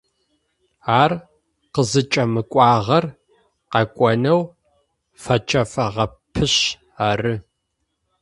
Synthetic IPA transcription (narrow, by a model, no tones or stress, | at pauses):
aːr | qəzɨt͡ʃʼɐmɨkʷʼɑːʁɐr | qɐkʷʼɔnɐw | fɐt͡ʃʰʼɐfɐʁɐpʰɨɕ | aːrɨ